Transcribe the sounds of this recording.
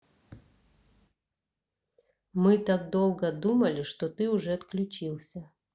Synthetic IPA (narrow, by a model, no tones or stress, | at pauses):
mɨt̪aɡd̪olˠɡəd̪uməlʲɪʂt̪ot̪ɨʊʐɛɐt̪klʲʊt͡ɕilˠsʲə